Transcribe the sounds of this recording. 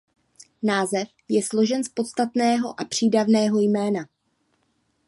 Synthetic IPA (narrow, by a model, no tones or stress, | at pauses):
naːzɛf | jɛslo̞ʒɛnspo̞t̪st̪at̪nɛːɦo̞ʔapr̝̥iːdavnɛːɦo̞jmɛːna